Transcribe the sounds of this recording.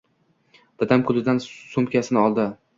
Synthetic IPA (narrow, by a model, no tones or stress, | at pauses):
d̪̥ad̪amkʰʊlɪd̪ansʊmkʲasɪnɪɒlˠd̪ɪ